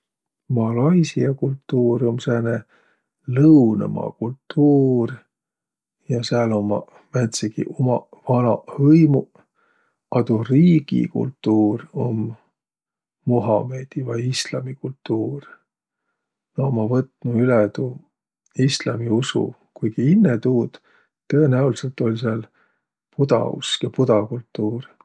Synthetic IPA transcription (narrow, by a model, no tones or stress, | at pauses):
mɑlɑjsiɑkult̪ːˑuːɾo̞msene | lɤwnɑ̰mɑ̰kult̪ːuːr | jɑseɑlomːɑ | mæt̪siɡḭʔomɑvɑnɑvɤjmu | ɑd̪̥uriːɡ̥ḭkṵlt̪ːuːɾo̞m | uɦɑme̞d̪̥ivɑjislɑ̰mikult̪ːuːr | noomːɑvɤt̪nuyled̪u | islɑmiusṵ | kujɡiinːet̪uːd̪̥ | t̪ɤenæulise̞lt̪ˑo̞lʲseɑl | pud̪ɑ̰ṵskɑpud̪ɑkult̪ːuːr